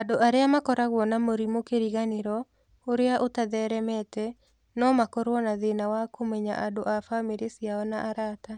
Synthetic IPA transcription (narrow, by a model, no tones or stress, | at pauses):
adoʔaɾeamakɔɾaɣwɔnamoɾimokeɾiɣaneɾɔ | oɾeaʔotaðɛɾɛmɛtɛ | nɔmakɔɾwɔnaðenawakomɛɲa̰ʔadoʔafameɾesjaɔnaʔaɾata